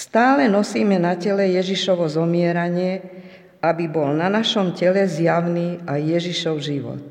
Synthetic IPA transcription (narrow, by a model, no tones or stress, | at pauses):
st̪aːlɛnɔsiːmɛnacɛlɛjɛʒiʃɔʋɔzɔmɪɛɾaɲɪɛ | abibɔlnanaʃɔmcɛlɛzjaʊniajːɛʒiʃɔʊʒiʋɔ̰t̪̚